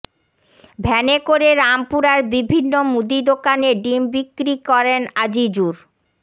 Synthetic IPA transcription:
bʱɛnekoɾeɾampuɾaɾbibʱinːomud̪id̪okaneɖimbikːɾikɔɾenad͡ʑid͡ʑuɾ

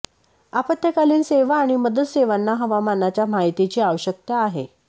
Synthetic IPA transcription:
apət̪jəkaliːnseʋaːɽ̃iməd̪əd̪seʋanːaɦəʋamanat͡ɕjam̤aɦit̪it͡ɕiːaʋəɕək̚t̪aːɦḛ

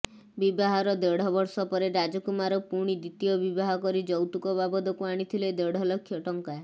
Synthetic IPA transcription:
bibaɦaɾɔd̪eɽ̤ɔbɔɾsɔpɔɾeɾad͡ʒɔkumaɾɔpuɽ̃id̪it̪ijɔbibaɦɔkɔɾid͡ʒɔwt̪ukɔbabɔd̪ɔkuaɽ̃it̪ʰiled̪eɽ̤ʱɔlɔkʰːjɔʈɔŋka

